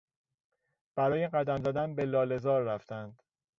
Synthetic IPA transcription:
b̥æɾɒːjeɢæd̪æmzæd̪ænbelɒːle̞zɒːɾːæft̪ʰænd̪̥

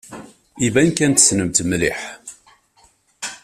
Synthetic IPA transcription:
ivænkænt̪snəmt̪mliħ

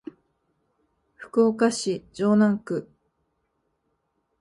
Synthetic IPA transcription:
ɸɯ̥koːkaɕid͡ʑoːnãŋkɯ̟

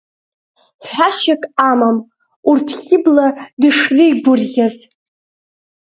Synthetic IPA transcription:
ħʷᶣaʃakʼamam | urtʰχʲɪbladɨʂriɡʷʊrʁʲaz

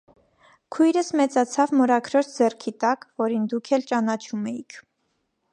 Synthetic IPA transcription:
kʰujɾəsmɛt͡sɑt͡sʰɑvmɔɾɑkʰɾɔɾt͡ʃʰd͡zɛrkʰit̪ɑkvɔɾind̪ukʰɛlt͡ʃɑnɑt͡ʃʰumɛjikʰ

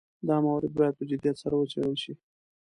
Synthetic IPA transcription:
d̪ɑmawɾɪd̪̚bɑjad̪̚pəd͡ʒʊd̪jɑt̪saɾawət͡ʃawəlʃi

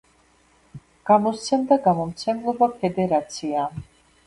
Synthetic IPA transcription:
ɡ̥amɔst̪sʰɛmd̪aɡamɔmt̪sʰɛmlˠɔbapʰɛd̪ɛɾat̪sʰiam

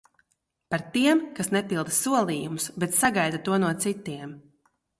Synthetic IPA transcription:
paɾt̪iɛmkasnɛpilˠd̪suɔlˠiːjumʊsbɛt̪saɡajd̪at̪uɔnuɔt̪sit̪ːiɛm

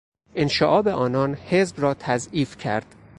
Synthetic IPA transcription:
ʔenʃeʔɒːbeʔɒːnɒːnhezbrɒːt̪ʰæziːfcʰæ̰ɾd̪̥

